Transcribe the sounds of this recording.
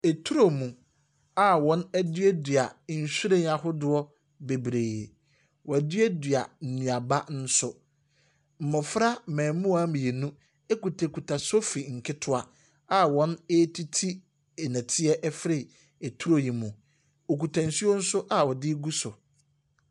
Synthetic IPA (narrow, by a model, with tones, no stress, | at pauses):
e˨tʰu˦ɾo˨mũ˨ | a˨wɔ̃˨˦nɛ˦dɥɛ˦dɥa˨n̩˨ɕu˦ɾẽ˦ɲ˦a˨ɦʊ˦dʊ˦ɔ˦ | be˨bɾeː˨ | wɔ˨æ˨dɪ˦ɛ˦dɥa˨n̩˨nũ˨a˨ba˦n̩˦sʊ˦ | m̩˨mɔ̃˨fɾa˦˨mɛ̃˨mũ˦a˦mĩ˨e˨nũ˦ | e˦ku˨tʰe˨kʰu˨tʰa˨so˦fi˨ŋ̩˨kʰɪ˦tʰʊ˦a˨ | a˨wɔ̃˦ne˦tʰi˦tʰi˦ | ɛ˨nã˨tʰɪ˦ɛ˦ʔɛ˦fɪ˦ɾɪ˨ | e˨tʰu˦ɾo˨ji˨mũ˨ | o˨ku˨tʰã˨n̩˨su˦o˦n̩˦sʊ˦ʔa˨wɔ˨dɪ˦ɡu˦sʊ˨